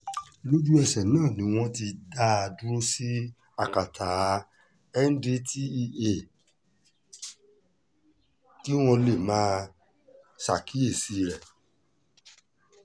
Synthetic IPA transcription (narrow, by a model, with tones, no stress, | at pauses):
lo˦d͡ʒu˦ɛ˧˨sɛ˨nãː˦˨nĩ˨˦w̃ɔ̃˦ti˧da˦a˧du˦ɾo˦si˦ | a˦˨ka˨tʰa˨˦ | ɛ˦n̩˦di˦tʰi˦˧e˦˨ | ki˦w̃ɔ̃˧le˨mãː˦ | sa˨ki˨˦e˦˨si˨˧ɾɛ˦˨